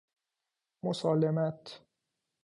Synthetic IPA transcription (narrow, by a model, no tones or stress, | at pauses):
mosɒlːemɛt̪ː